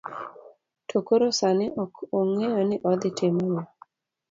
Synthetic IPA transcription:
tʰokoɾosanɪʔɔkɔŋejɔnɪʔɔd̪ɪtemɔɲɔ

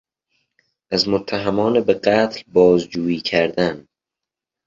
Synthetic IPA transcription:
æzmot̪ʰːæɦæmɒːnebeqæt̪ʰlbɒːzd͡ʒuːiːkʰæɾd̪æn

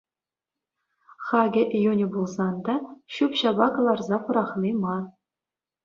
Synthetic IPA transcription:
χɑɡʲɘ̆ʔjunʲɘ̆bulˠzɑnd̪ɑɕupɕɑbɑkɤ̆lˠɑrzɑpɤ̆ɾɑχnʲˠimɑ

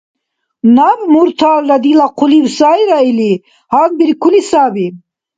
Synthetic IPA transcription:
nabmuɾt̪ʰaːlɖɐd̪ilaqʰulibsaːjɾaili | hanbiɾikulisaːbi

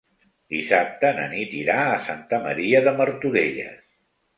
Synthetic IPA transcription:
d̪isap̚t̪ənə̰nit̪iɾaəsa̰nt̪əmə̰ɾiəðəməɾt̪uɾeʎə̰

